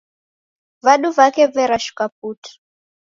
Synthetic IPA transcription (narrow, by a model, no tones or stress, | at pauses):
vaɗuvakɛvɛɾaʃu̥kap̚uti̥